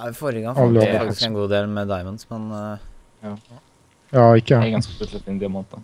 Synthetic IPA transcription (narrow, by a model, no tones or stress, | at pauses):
fɔɾəɡɑŋɑlɑkt̪ɪskɛnɡuːd̪eːlmɛd̪ɑɪmənd̪smɛn | jɑːɪkːəɡɑnskə̥t̪ləsɪnd̪ɛmoːnət̪ə